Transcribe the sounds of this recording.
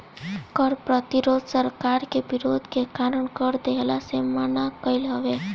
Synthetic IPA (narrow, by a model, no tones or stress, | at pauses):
kəɾpɾət̪iɾoːd̪ʱsəɾkaɾkebiɾod̪ʱkekaɾəɳkəɾd̪elasemanakəilɦəʋe